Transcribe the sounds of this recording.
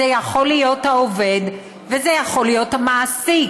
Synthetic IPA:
ejaχo̞lijo̞thaove̞d | vezejaχo̞lijo̞tamasi

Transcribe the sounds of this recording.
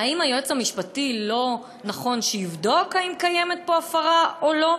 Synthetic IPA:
aimajoet͡shamiʃpatilo̞ | naχo̞nʃejivdo̞kaimkajemet̪̚poafaʁaʔolo̞

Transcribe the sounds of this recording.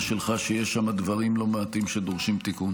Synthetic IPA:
ʃelχaʃejeʃːamad̪vɐʁimlo̞meat̪imʃed̪oʁʃimt̪ikun

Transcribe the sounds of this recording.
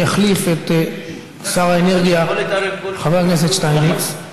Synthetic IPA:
aχlifet | ksaʁaeneʁɡija | χaveʁnes̬et̪ʃtajni

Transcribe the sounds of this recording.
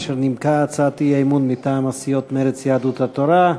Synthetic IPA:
ʃeɾnimkaat͡saːt̪iejmunmit̪aːmasijot̪meɾet͡sjaad̪ut̪hat̪oɾa

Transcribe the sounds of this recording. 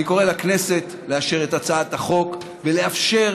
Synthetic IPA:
iko̞ʁelaknese̞t̪ | le̞aʃe̞ʁetat͡saat̪aχo̞k | veleafʃe̞

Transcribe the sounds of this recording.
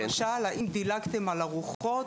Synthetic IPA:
aʃalaʔimd̪ilakt̪emalaʁuχo

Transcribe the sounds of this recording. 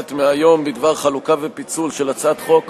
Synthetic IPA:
t̪meajo̞mbid̪vaʁχalukavepit͡sulʃe̞lat͡sat̪χo̞k

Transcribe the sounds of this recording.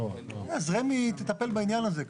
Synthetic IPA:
azʁemit̪et̪ape̞lbainjanaze

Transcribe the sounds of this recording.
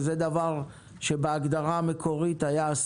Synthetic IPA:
zed̪avaʁ | ʃe̞beaɡd̪aʁaːme̞kʰo̞ʁit̪ajaːs

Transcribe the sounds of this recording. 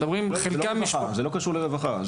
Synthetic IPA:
dobʁimχellkamiʃazelokaʃuʁleʁevaχa

